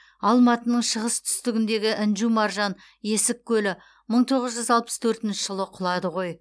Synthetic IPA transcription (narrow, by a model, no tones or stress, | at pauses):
ɑlˠmɑt̪ənəɴʃəʁəst̪ʰʏ̥st̪ɪɡʲɪnd̪e̞ɡʲɪʔɪnʒumɑɾʒɑn | e̞sɪkʲʰːɵlɪ | məɴt̪ʰo̞ʁəzʒʏzɑlˠpə̥st̪ʰɵɾt̪ɪnʃɪʒ̥əlˠəqʰʊlˠɑd̪əʁo̞j